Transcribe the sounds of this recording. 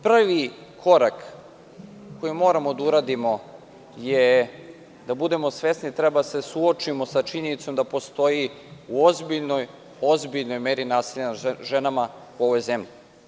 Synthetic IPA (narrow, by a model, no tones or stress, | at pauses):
pr̩ʋikʰo̞ɾak | ko̞jimo̞ːɾamo̞d̪auɾaːd̪imo̞ | je | d̪abud̪e̞mosʋe̞snit̪ɾebad̪ase̞suot͡ʃimo̞sat͡ʃiɲe̞nit̪so̞md̪apo̞st̪o̞ji | uozbiʎnoj | o̞zbiʎno̞jmeːɾinaːsiʎanaʒenama | uo̞ʋo̞jze̞mʎi